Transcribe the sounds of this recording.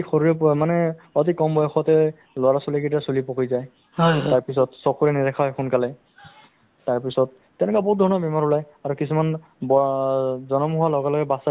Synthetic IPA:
ixoɹiɹɛpmanɛɔt̬ikɔmbɔjɔxɔtɛ | lʊaɹasɔliketasulipɔkujzaj | taɹpis̬ɔtsɔkʰuɹɛnidɛkʰaɦɔjxunkalɛ | taɹpisɔt̚ːɛnɛkabɔɦut̚dʱɔɹɔnɔbɛmaɹulaj | aɹukisuman | bɔzɔnɔmuɦʊalɔɡɛlɔɡɛbasa

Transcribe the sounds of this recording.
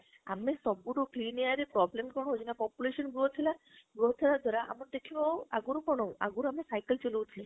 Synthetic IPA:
a̰mesɔbuɽukliːniaɾipɾɔblemkɔɦd͡ʒinapɔːpjuleʃənɡot̪ʰila | ɡot̪ʰilad̪ʱɔɾaʔa̰mɔnd̪ekʰiʋɔaɡuɾupɔɳoa̰ɡuɾamesajkəlt͡ʃɔlowt̪ʰile

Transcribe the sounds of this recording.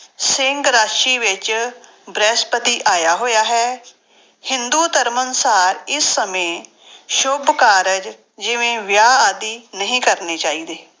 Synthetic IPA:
sɪŋɡɾaːʃiːʋɪt͡ʃ | bɾɛːspət̪iːʔaːjaːɦoːjaːɦɛː | hɪnd̪uːt̪əɾmənsaːɾɪsːəmẽː | ʃʊbkaːɾəd͡ʒ | d͡ʒɪʋẽːʋɪjaːaːd̪iːnəɦĩːkəɾneːt͡ʃaːiːd̪eː

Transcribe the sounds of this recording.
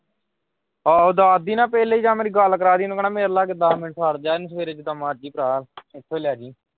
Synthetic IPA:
aːʊd̪aːd̪iːnãːpɛːleːiːd͡ʒãːmeːɾiːɡaːlkəɾaːd̪iːnːkənãːmeːɾlaːɡed̪aːmɪnʈʰəɾd͡ʒaːnsəʋeːɾeːd͡ʒd̪aːmaːd͡ʒiːpɾaːlɪt̪ʰːeːleaːd͡ʒiː

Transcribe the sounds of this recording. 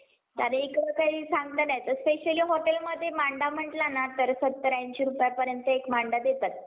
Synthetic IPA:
t̪a̰ɾẽikɽəkaɦisãŋɡt̪ənajet̪əɾspeɕəliːɦoʈelməd̪ʱːjemaɳɖam̤əʈlanat̪əɾsət̪ːəɾjaɲt͡ɕiːɾupjapəɾjənt̪əekmaɳɖad̪et̪at̪̚

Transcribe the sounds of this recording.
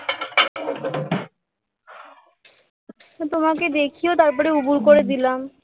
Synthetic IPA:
t̪omaked̪ekʰijot̪aɾp̬ɔɾeubuɾkoɾed̪ilam

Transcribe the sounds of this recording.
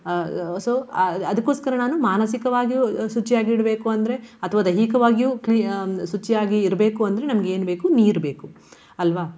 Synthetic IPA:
soːɐd̪ɐkːo̞ːskɐɾɐnaːnumaːnɐsikɐʋaːɡijusut͡ʃːijaːɡiiɽɐbe̞ːkuɐnd̪ɐɾe̞ɐt̪ʰɐʋaːd̪ɐɦikɐʋaːɡijuklisut͡ʃːijaːɡiːɾɐbe̞ːkuɐnd̪ɐɾe̞nɐmɐɡeeːnbe̞ːkuniːɾbe̞ːku | ɐlʋaː

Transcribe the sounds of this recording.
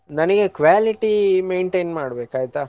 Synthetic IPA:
nɐnɐɡekʋaːliʈimeːɳʈeːnmaːɽbeːkaːjt̪aː

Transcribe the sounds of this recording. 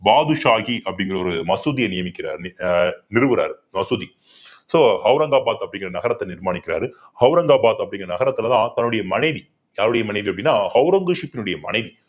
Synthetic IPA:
baːðɯʂaːɣiʔɐpːɐɽɪŋɡɪrɐɔɾɯmɐsuðijɐnɪjɐmɪkːɪɾa̰ːɾnɪɾɯʋɯɾa̰ːɾ | mɐsuði | soːhɐʊɾɐŋɡaːbaːt̪ɐpːɐɽɪŋɡɪrɐnɐɣɐɾɐt̪ːɐnɪɾmaːnɳɪkːɪɾa̰ːɾ | hɐʊɾɐŋɡaːbaːt̪ɐpːɽɪŋɡɪrɐnɐɣɐɾɐt̪ːɪlɐt̪ãːt̪ɐnːɯɽɐjɐmɐnɐɪði | jaːɾɯɽɐjɐmɐnɐɪðiɐpɐɽɪnːaːhɐʊɾɐŋɡɯʂipːɪnɯɽɐjɐmɐ̰nɐɪði

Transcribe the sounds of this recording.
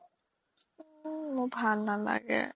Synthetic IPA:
mʊbʱalnala̰ɡɛ̰

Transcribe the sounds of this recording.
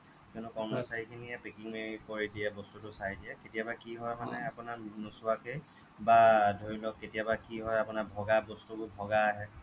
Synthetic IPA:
kɔnʊkɔɹmasaɹikʰinijapekiŋmeɹikoɹidijɛbɔstutʊsajdijɛketijabakiɦɔjmanɛapʊnaɹnusʊakej | badʱoɹilɔkːetijabakiɦɔjapʊnaɹbʱɔɡabɔstubʊbʱɔɡaaɦɛ

